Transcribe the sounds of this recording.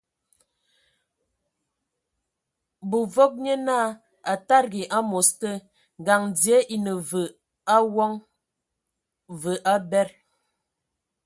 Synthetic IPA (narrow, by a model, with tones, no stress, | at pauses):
bu˨vo˦k̚ɲə˦naː˦˨ | a˨ta˦ɾɡi˨ʔa˦mo˨stə˦ | ŋ˨ɡa˨ŋd͡zje˦ʔi˨nə˨və˨ | a˦wɔ˦ŋ | və˨ʔa˦bɛ˦ɾ